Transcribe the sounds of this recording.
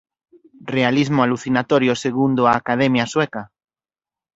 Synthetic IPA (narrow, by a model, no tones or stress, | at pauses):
realizmoaluθinat̪oɾjoseɣund̪oaːkaðemjasweka